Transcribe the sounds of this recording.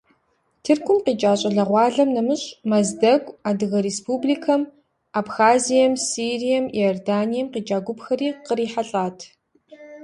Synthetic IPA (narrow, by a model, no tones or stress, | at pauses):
tʰɨrkʷʰʊmqiːt͡ʃʼaːɕʼɐɮɐʁʷɑːɮɐmnɐmɨɕʼmɐzdɐɡʷʼaːdɨɣɐɾeːspʰuːbliːkʰɐm | aːbxaːzijɛmsiːrijɛmjɔrdaːnijɛmqiːd͡ʒʼaːɡʷʊpxɐɾiːqəɾiːħaɬʼaːtʰ